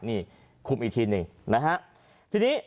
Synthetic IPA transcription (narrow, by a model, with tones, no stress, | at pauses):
niː˧˥˩ | kʰu˨˩mʔi˨˧t̪ʰiː˧nɯ˧˩ŋna˦˥kʰa˦˥ʔ | t̪ʰiː˧niː˦˥